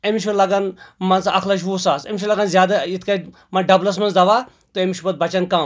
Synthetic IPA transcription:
emiʃʰulɐɡɐnmɐnsʔɐ̰kʰlɐʃ̬ʰʋusaːsḛmiʃ̬ʰulɐɡɐnzjaːd̪ɐjit̪ʰkɐ | mɐnɖɐblɐsmɐnsd̪ɐʋa | t̪oemʲiʃʰubɐt̪̚bɐt͡ʃɐnkɐm

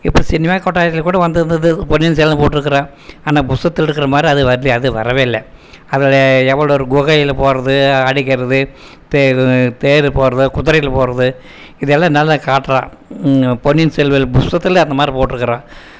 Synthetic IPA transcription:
ɪpːɐɽsɪnːɐmaːkɔʈːaːjɐt̪ːɪlkːuːɽɐʋɐnd̪ɐnd̪ɐðɯpɔnːɪnsɛːllɐ̃poːʈːɪɾɯkːɐɾãː | aːnaːbʊst̪ɐt̪ːɯɪɾɯkːɪɾɐmaːd̪ɾiɐðɯʋɐɾliɐðɯʋɐ̰ɾɐʋeːɪlːɐ | ɐðɪlɛʋːɐɭoːɾɯɡʊɣɐjɪlpoːɾɐðɯɐɽɪkːɐɾɐðɯ | t̪et̪eːɾpoːɾɐðɯkʊðɐɾɐjɪlpoːɾɐðɯ | ɪðɛlːãːnɐlːɐkaːʈːɾãː | pɔnːɪnsɛlʋɐlbʊst̪ɐt̪ːɪlɐ̃ɐnd̪ɐmaːd̪ɾipoːʈːɪɾɯkːɐɾãː

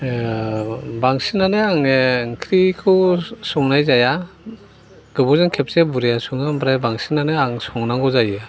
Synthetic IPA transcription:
baŋsinaneaŋekʰɾikʰɯsɔŋnajzaja | ɡ̥ɯbɔzɯŋkʰep̚sebuɾijasuŋambɾebaŋsinaneaŋsɔŋnaŋɡɔzaja

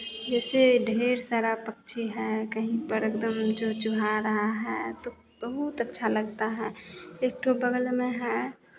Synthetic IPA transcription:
d͡ʒɛseɖʱeɾsaɾapəkt͡ʃʰiɦɛkəɦĩpəɾekd̪əmd͡ʒot͡ʃuɦaɾəɦaɦɛt̪o | b̥əɦut̪ətːʃʰaləɡt̪aɦɛek̚ʈobəɡlmẽɦɛ

